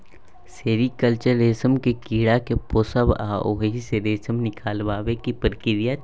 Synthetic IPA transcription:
seːɾikəlt͡ʃəɾeːsəmkekiːɽakepoːsəba̰ːʔoːɦɦiseɾeːsəmnɪkʰaːlʋaːʋekipɾkɪɾija

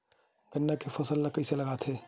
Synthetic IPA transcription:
ɡɐnːakefɐsəlːɐkəselɐɡaːt̪ʰɦeː

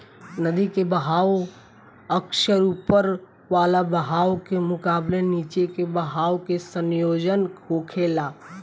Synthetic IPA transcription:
nəd̪ikebəɦaːw | əkʃəɾupəɾ | ʋaːlabəɦaːwkemʊkaːbleniːt͡ʃekebəɦaːwkesənjoːd͡ʒənkoːkʰelaː

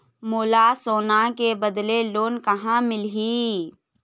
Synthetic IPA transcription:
moːlasoːnakebəd̪leloːnkɐɦãmɪlɦi

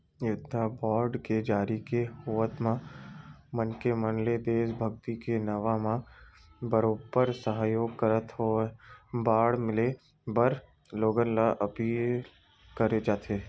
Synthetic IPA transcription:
jʊd̪ʱːabɔːɾɖked͡ʒaːɾikehʊʋət̪mã | mənkemənled̪eːsbʱəɡt̪ikenɐʋamã | bəɾoːbəɾsəɦaːjoːɡ̚kəɾət̪ɦo | baːɽmɪle | bəɾ | loːɡənlaʔɐpiːl | kəɾed͡ʒaːt̪ʰeː

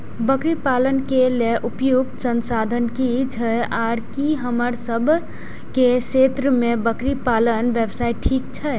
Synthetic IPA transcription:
bəkɾipalənkeleʔupjuɡ̪sənsad̪ʱənkit͡ʃʰəaɾkiɦəməɾsəbʱ | keset̪ɾəmebəkɾipalənbjəbsaiʈʰik̚t͡ʃʰə

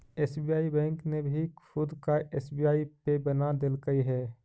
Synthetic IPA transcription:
eːsbijaːibɛ̃ːŋknebʱikʰʊd̪kaʔeːsbiːaːipebənad̪ɪlkəiɦɛː

